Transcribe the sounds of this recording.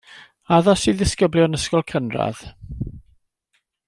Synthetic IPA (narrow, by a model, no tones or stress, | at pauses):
aðɔsiðɪskəbljɔnəskɔlˠkʰənra̰ð̥